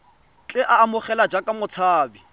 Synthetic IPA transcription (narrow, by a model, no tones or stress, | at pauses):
t͡ɬʼɪʔaːmʊχɛlad͡ʒakʼamʊt͡sʰaːbi